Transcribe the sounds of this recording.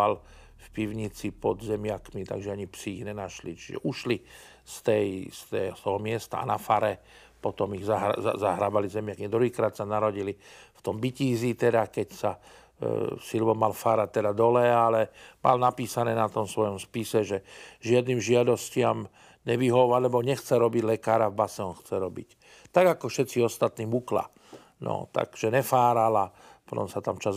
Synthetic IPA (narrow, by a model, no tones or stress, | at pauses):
al | fpiʊɲit͡sipɔd̪zɛmɪakmit̪a̰ɡʒɛaɲipsiːɣɲɛnaʃlit͡ʃiʒɛ̰ʔuʃli | st̪ɛjst̪ɛt̪ɔɦɔmɪɛst̪a̰a̰nafaɾɛ | pɔt̪ɔmiɣzaɦzaɦɾaːbalizɛmɪakid̪ɾuɦiːkɾaːt̪sanaɾɔɟilift̪ɔmbiciːzit̪ɛd̪akɛcsa | silʋɔmːalfaːɾat̚t̪ɛd̪ad̪ɔlɛalɛmʔa̰lnapiːsanɛːnat̪ɔmsʋɔjɔmspisɛʒɛʒɪad̪niːmʒɪad̪ɔscɪam | ɲɛʋiɦɔʊalɛbɔɲɛxt͡sɛɾɔbiɟlɛkaːɾavbasɛɔnxt͡sɛɾɔbḭc | t̪aɡakɔfʃɛt̪t͡siɔst̪at̪niːmukla̰ | nɔ̰t̪a̰ɡ̥ʒ̥ɛɲɛfaːɾala | pɔt̪ɔ̰msat̪amt͡ʃaz